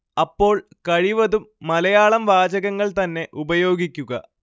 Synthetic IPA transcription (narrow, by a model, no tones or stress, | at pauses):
ɐpːo̞ːɭkɐɻiʋɐðumːɐlɐjaːɭɐmʋaːd͡ʑɐɣɐŋːɐɭt̪ɐnːe̞ʔubɐjo̞ːɡikʲːuɣɐ